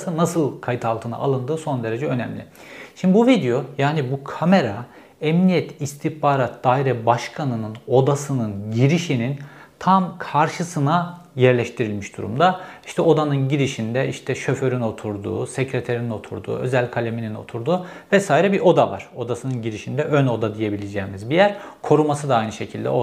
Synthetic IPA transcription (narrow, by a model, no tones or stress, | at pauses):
sɯnasɯlˠkʰajɯt̪ʰalˠt̪ʰɯna̰ʔa̰lˠɯnd̪ɯːso̞nd̪e̞ɾe̞d͡ʒɛø̞nɛmlʲɪ̰ | ʃimd̪ibuvid̪ejo̞jaːnibukʰame̞ɾa | ɛmnijɛt̪ʰist̪ʰihpaːɾat̪̚d̪̥aːiɾɛbaʃkʰanɯnɯno̞d̪asɯnɯnɟiɾiʃinin | t̪ʰamkʰaɾʃɯsɯna | jɛɾlʲɛʃt̪ʰiɾilʲmiʃd̪uɾṵmd̪aiʃt̪ʰɛo̞d̪anɯnɟiɾiʃind̪ɛiʃt̪ʰɛʃø̞fø̞ɾyno̞t̪ʰuɾd̪ṵːsecɾɛt̪ʰeɾinino̞t̪ʰṵɾd̪ṵːø̞̰zælʲkʰalʲeminino̞̰t̪ʰuɾd̪uːvɛsaːiɾɛbiɾʔo̞d̪ava̰ɾ̥o̞d̪asɯnɯnɟiɾiʃind̪ɛʔøno̞d̪ad̪ije̞bilʲed͡ʒɛːmizbijæɾkʰo̞ɾumasɯd̪aajnɯʃe̞cʰilʲd̪ɛ̰o